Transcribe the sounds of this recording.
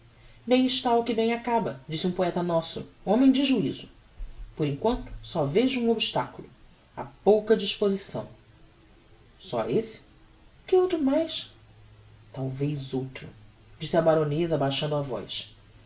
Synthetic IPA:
bẽj̃ɪʃt̪aʊkɪbẽj̃akabɐd͡ʒisɪũpoɛt̪ɐnɔsʊ̰õmẽj̃d͡ʒɪʒuizʊ | poɾẽŋkwɐ̃nt̪ʊ̥sɔveʒʊũobiʃt̪akulˠʊ | a̰powkɐd͡ʒiʃpozisɐ̰̃w̃ | sɔ̰esɪ̥ | kɪowt̪ɾʊmajs | t̪awvejzowt̪ɾʊ | d͡ʒisɪɐbaɾõnezɐbajʃɐ̃nd̪ʊavɔ̰js

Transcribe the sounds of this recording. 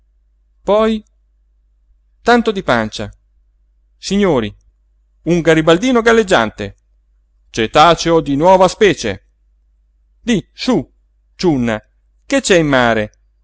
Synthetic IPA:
pɔj | t̪ant̪od̪ipant͡ʃa̰ | siɲːoːɾi | uŋɡaɾibald̪iːnoɡalːed͡ʒːa̰nt̪ḛ | t͡ʃet̪aːt͡ʃeod̪inwɔːvaspɛːt͡ʃḛ | d̪isu | t͡ʃunːa | ket͡ʃːɛimːaːɾe

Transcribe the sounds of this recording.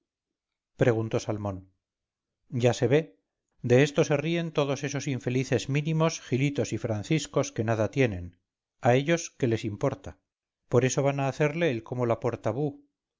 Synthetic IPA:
pɾe̞ɣunt̪o̞salmõ̞n | ɟ͡ʝase̞βe̞ | d̪e̞est̪o̞se̞rie̞nt̪o̞ðo̞se̞so̞siɱfe̞liθe̞zmĩnimo̞sxilit̪o̞sifɾanθisko̞ske̞naðat̪je̞ne̞n | ae̞ʎo̞ske̞le̞simpo̞ɾt̪a | po̞ɾe̞so̞βanaːθe̞ɾle̞ːlko̞mo̞lapo̞ɾt̪aβu

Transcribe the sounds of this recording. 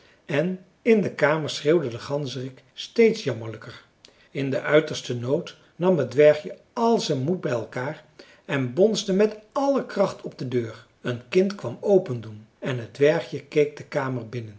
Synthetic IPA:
ɛn | ɪndəkaːməɹsreːwdədəχɑnzərɪk | stejtsjɑməɹləkər | ɪndəʔœɥtəɹstənowt | nɑmɦədʋɛɹχjə | ɑlˠzɛnmut̚bɛjɛlˠkaːr | ɛnbɔnzdəmɛtɑləkrɑχtʰɔb̚dədøːɹ | ənkɪntkʋɑmowpəndunɛnɦədʋɛɹχjəkejk̚dəkaːməɹbɪnən

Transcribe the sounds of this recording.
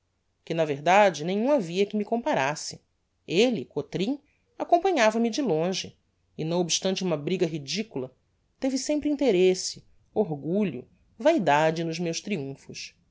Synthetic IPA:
kɪnɐveɦd̪ad͡ʒɪnẽjɲ̃ũaviɐkɪmikõmpaɾasɪ̥ | elɪkot̪ɾĩ | akõmpɐ̃ɲavɐmɪd͡ʒɪlõʒɪ | ɪnɐ̃w̃obiʃt̪ɐ̃nt͡ʃɪũmɐbɾiɡɐɦid͡ʒikulɐ | t̪evɪsẽmpɾɪĩnt̪eɾesɪ̥ | oɦɡuʎʊ̰ | vaid̪ad͡ʒɪnʊzmewʃt̪ɾiũfʊʃ

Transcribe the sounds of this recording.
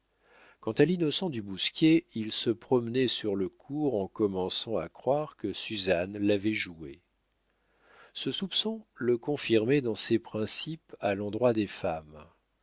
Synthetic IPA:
kɑ̃t̪alinɔsɑ̃d̪ybuskʲjeilsəpχɔmnɛsyʁləkʰuʁɑ̃kɔmɑ̃sɑ̃akχwaʁkəsyzanlavɛʒue | səsupsɔ̃ləkɔ̃fiʁmɛd̪ɑ̃sɛpχɛ̃sipalɑ̃d̪ʁwad̪efam

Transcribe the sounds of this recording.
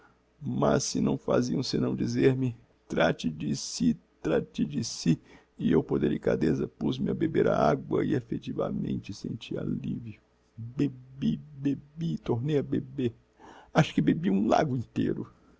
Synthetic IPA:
mɐsːɪnɐ̃w̃fa̰ziɐ̃ũsɪnɐ̃w̃d͡ʒizeɾmɪ | t̪ɾat͡ʃɪd͡ʒɪsit̪ɾat͡ʃɪd͡ʒɪsi | ɪewpoɾd̪elikad̪ezɐpuzmɪɐbebeɾa̰aɡwɐɪefet͡ʃivɐ̰mḛ̃nt͡ʃɪsẽnt͡ʃia̰livjʊ | bebibebit̪oɾnejɐbebeɾ | aʃʊ̥kɪbebiũla̰ɡʊĩnt̪eɾʊ

